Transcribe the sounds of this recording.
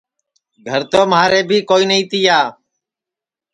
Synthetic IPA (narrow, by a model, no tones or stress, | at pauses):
ɡʱəɾt̪oːmaːɾeːbʱiːkoːiːnəĩːt̪ɪjaː